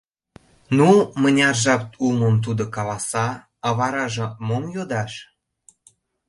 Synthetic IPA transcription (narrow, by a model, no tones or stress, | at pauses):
numənʲɑrʒɑp̚t̪uməmt̪̬ud̪okɑlɑsɑ | ɑβɑɾɑʒɤ̆momjod̪ɑʃ